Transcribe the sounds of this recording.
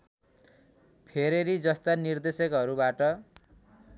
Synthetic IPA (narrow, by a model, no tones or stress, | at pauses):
pʰeɾeɾid͡zʌst̪anird̪esʌkɦʌɾubaʈʌ